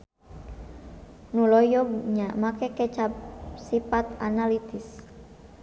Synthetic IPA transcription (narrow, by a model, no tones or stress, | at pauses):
nulɔjɔɡɲaʔmakɛkɛt͡ʃasipat̪analit̪is